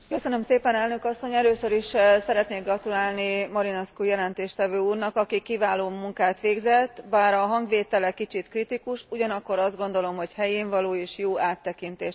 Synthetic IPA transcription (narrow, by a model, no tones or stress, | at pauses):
kø̞sønømseːpɛnɛlnø̞kɒsːo̞ɲɛløːsø̞ɾiʃsɛɾɛt̪neːɡrɒt̪ulaːlnimɒɾinɛskujɛlɛnt̪eːʃt̪ɛvøːuːrnɒkɒkikivaːloːmuŋkaːt̪ʋeːɡzɛt̪ːbaːɾɒɦɒŋɡʋeːt̪ɛlɛkit͡ʃit̪krit̪ikuʃuɟɒnɒkːo̞ɾɒzd̪ɡo̞nd̪o̞lo̞mɦo̞chɛjeːɱvɒloːeːʃjoːaːt̪ːɛkint̪eːʃ